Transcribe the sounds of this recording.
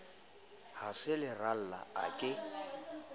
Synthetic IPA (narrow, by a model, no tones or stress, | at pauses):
hasɪlɪral̩la̰a̰kʼɪ